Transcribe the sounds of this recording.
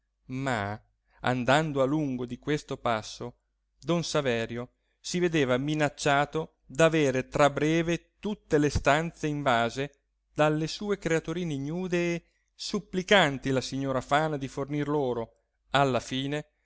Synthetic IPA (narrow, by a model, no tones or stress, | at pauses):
ma | a̰nd̪and̪oaluŋɡod̪ikwest̪opasːo | d̪onsavɛːɾjo | sived̪eːvaminat͡ʃːaːt̪o | d̪aveːɾet̪ɾabɾɛːvet̪ut̪ːelest̪ant̪seiɱvaːze | d̪̥alːesuːekɾeat̪uɾiːneɲuːd̪eː | supːlikant̪ilasiɲːoːɾafaːnad̪ifornirloːɾo | alːafiːne